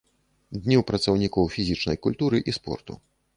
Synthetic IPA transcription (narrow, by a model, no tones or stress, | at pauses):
d̪ʲnʲiwpɾɐt̪sɐwnʲikɔwfʲizʲit͡ʂnɐjkulʲt̪uɾɨʔispɔ̰rt̪ṵ